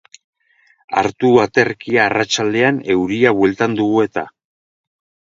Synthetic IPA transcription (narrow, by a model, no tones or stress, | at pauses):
a̰ɾt̪uat̪eɾkiaːrat͡ʃald̪e̞ane̞wɾiaβwelt̪and̪uɣ̞ue̞t̪a